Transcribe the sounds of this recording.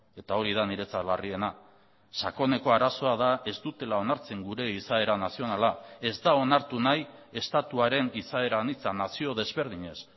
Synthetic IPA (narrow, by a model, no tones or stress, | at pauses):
e̞t̪ao̞ɾið̞aniɾe̞t͡sat̪larie̞na | ʃako̞ne̞ko̞aɾaso̞aðae̞zt̪ut̪e̞lao̞naɾt͡se̞ŋɡuɾe̞isae̞ɾanasio̞nalae̞zd̪ao̞naɾt̪unaj | e̞st̪at̪uaɾe̞nisae̞ɾanit͡sanasio̞ðe̞zβe̞ɾð̞iɲe̞s